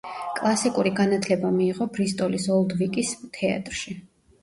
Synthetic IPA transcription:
kʼlˠasikʼuɾiɡanat̪ʰlɛbamiːʁɔbɾist̪ʼɔlisɔlˠd̪vikʼist̪ʰɛa̰t̪ʼɾʃi

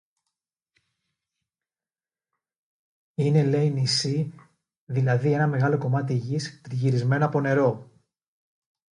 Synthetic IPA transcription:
ine̞le̞inisi | ðilɐðie̞nɐme̞ɣɐlo̞ko̞mɐt̪̬iʝist̪ɾiʝiɾizme̞noɐpo̞ne̞ɾo̞

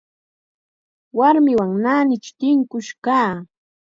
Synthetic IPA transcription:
waɾmɪwaŋnaːnɪt͡ʃt̪ɪŋkʊʃkaː

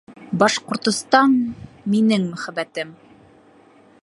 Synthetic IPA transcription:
bɑʃqŏɾt̪ŏst̪ɑnminɘŋmɵ̆χæbæt̪ɘm

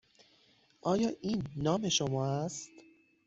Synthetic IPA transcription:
ʔɒːjɒːʔiːnːɒːme̞ʃomɒːæst̪

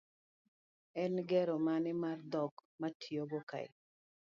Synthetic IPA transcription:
ɛnɡɛɾomanɪmard̪ɔɡmatʰijoɡoka̰ɪ̰

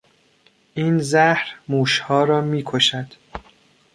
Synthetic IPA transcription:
ʔiːnzæhɾmuːʃhɒːɾɒːmiːkʰoʃæd̪̥

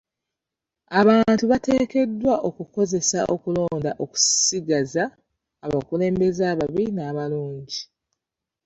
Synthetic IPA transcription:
aβaːntuβate̞ːke̞dːwaʔo̞kuko̞ze̞sa̰ʔo̞kulo̞ːndaʔo̞ku̥siɡazaː | βakule̞ːmbe̞zaːβaβinaːβaluːɲɟi

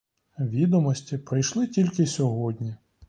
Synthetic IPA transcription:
ʋʲid̪ɔmɔsʲtʲipɾɪjʃlˠɪtʲilʲkɪsʲɔɦɔdʲnʲi

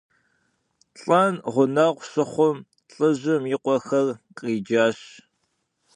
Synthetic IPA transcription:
ɬʼɐnʁʷʊnɐʁʷɕɨχʷʊm | ɬʼɨʑɪmjɪqʷɔxɐrqʼiːd͡ʒaːɕ

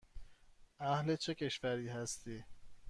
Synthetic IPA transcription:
ʔæhlet͡ʃʰecʰe̞ʃvæɾiːɦæst̪iː

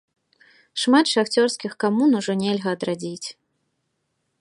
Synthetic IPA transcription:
ʂmat̪ʂaxt͡sʲɔrskʲixkamunuʐɔnʲɛlʲɣɐːd̪ɾad͡zʲit͡sʲ

